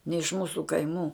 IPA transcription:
nʲɛ ɪʃ ˈmuːsʊ kɐɪˈmuː

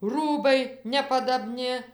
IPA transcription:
ˈruːbɐɪ nʲɛpɐdɐˈbʲnʲɪ

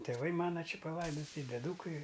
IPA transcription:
tʲeːˈʋɐɪ ˈmɑːnɐ ˈt͡ʃʲɪ pɐˈlˠɐɪdoːtʲɪ ɪ dʲɛˈduːkɐɪ

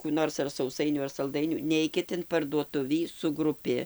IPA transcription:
kuː ˈnoːrs ɐr sɐʊˈsɐɪnʲuː ɐr sɐlˠˈdɐɪnʲuː ˈnʲɛɪkʲɪt ɪn pɐrduɔˈtʊʋʲiː sʊ ɡrʊˈpʲɪ

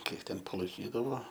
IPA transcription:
ˈkʲiɛk ˈtʲɛn pɐlˠɐɪˈkʲiːdɐʋoː

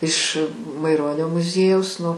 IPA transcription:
ɪʃ mɐɪˈroːnʲoː mʊˈzʲiɛjɛʊs ˈnʊ

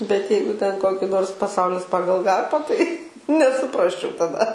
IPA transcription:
bʲɛt ˈjɛɪɡʊ tʲɛn ˈkoːkʲɪ ˈnoːrs pɐˈsɐʊlʲɪs ˈpɑːɡɐlˠ ˈɡɐrpɑː tɐɪ nʲɛsʊˈprɑːsʲt͡ʃʲɛʊ tɐˈdɐ

